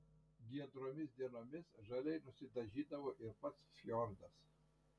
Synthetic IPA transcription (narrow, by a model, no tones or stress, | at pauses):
ɡʲiɛd̪ɾoːmʲɪsd̪ʲiɛnoːmʲɪsʒɐlʲɛɪnʊsʲɪd̪ɐʒʲiːd̪ɐʋoːʔɪɾpɐt̪sʃʲjɔːɾd̪ɐs